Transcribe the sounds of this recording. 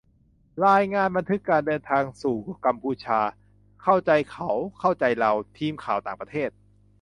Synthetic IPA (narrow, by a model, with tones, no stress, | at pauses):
ɾaː˧jŋaː˧˩˨nba˧nt̪ʰɯ˦˥kːaː˧ndɤː˧nt̪ʰaː˧ŋsuː˨˩ka˧mpʰuː˧t͡ɕʰaː˧ | kʰa˥˩wt͡ɕa˧jkʰa˦˩wkʰa˥˩wt͡ɕa˧jɾa˧wt̪ʰiː˧mkʰaː˨˩˦wt̪aː˨˩ŋpɾa˧t̪ʰeː˥˩t̪̚